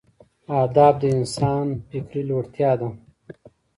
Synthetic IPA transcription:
aːd̪ɑːb̚d̪əinsɑːnfikɾiloːɽt̪jɑːd̪a

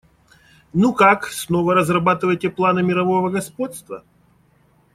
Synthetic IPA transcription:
nukaksnovəɾəzrɐbat̪ɨvəjtʲɪplˠanɨmʲɪɾɐvo̞vəɡɐspo̞t̪st̪və̰

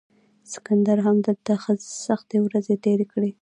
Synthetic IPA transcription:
sɪ̥kand̪aɾɦamd̪əd̪axəsaxt̪ewɾazet̪eɾekɽe

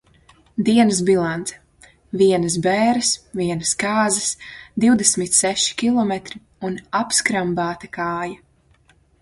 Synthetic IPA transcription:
d̪iɛnɐsbilˠant̪sɛ̥ | viɛnɐs̬bɛːɾɐsviɛnɐskaːzɐsd̪iwd̪ɛsmit̪sɛʃi̥kʲilˠɔmɛt̪ɾi | unapskɾambaːt̪akaːja

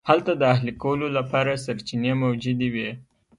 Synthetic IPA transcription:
halt̪ad̪əahlikawəlolapɑɾasaɾt͡ʃinemawd͡ʒud̪ewi

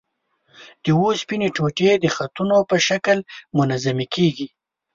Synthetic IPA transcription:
d̪̥əwospineʈoʈed̪əxat̪unopəʃaklmʊnazamekʰeɡi

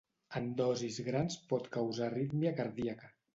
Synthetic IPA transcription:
ənd̪ɔzizɣɾanspɔt̪kəwzarit̪miəkəɾðiəkə

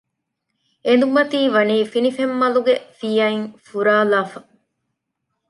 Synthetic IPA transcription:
end̪umɐt̪iːʋɐniːfinifemːɐluɡefijɐiŋfuɾaːlaːfɐ

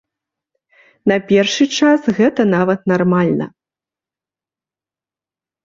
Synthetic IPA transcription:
nɐpʲɛrʂɨt͡ʂasɣɛt̪ɐnavɐt̪̚narmalʲnɐ̰

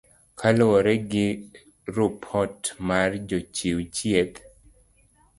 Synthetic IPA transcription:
kʰalɔɾɛɡɪ | ɾupʰɔtmard͡ʒot͡ʃiwt͡ʃjet̪

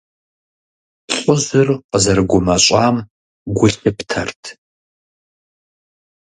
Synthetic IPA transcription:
ɬʷʼʊʑɨrqəzɐrɡʷʊmɐɕʼaːm | ɡʷʊɬɪptʰɐrtʰ

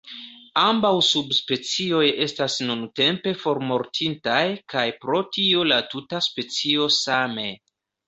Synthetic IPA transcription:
ambawsubspe̞t͡sio̞je̞stasnunte̞mpe̞fo̞ɾmo̞ɾtʰintajkʰajpɾo̞tʰio̞latutaspe̞t͡sio̞same̞

